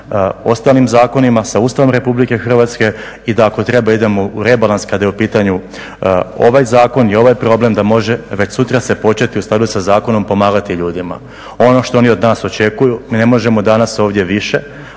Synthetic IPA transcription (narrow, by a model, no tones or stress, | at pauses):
o̞st̪aːlnimzaːko̞nimasauːst̪aʋomɾe̞publike̞xr̩ʋat̪ske̞ | id̪aːko̞t̪ɾe̞baid̪e̞mouɾe̞balˠanskad̪ajeupiːt̪aɲu | o̞̰ʋajzaːko̞njeo̞ʋajpɾo̞ble̞md̪amo̞ʒe̞ʋe̞t͡ɕsut̪ɾase̞po̞t͡ʃe̞t̪iust̪ad̪usazaːko̞no̞mpo̞maːɡat̪iʎuːd̪ima̰ | o̞no̞ʃt̪oo̞nio̞d̪naːso̞t͡ʃe̞kujumine̞mo̞ʒe̞mo̞d̪anaso̞ːʋd̪je̞ʋiʃe̞